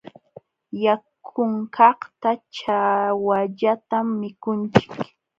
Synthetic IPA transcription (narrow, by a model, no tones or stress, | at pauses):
jakʰʊŋkɑχt̪at͡ʃawaʎat̪amːɪkʊnt͡ʃɪ̥k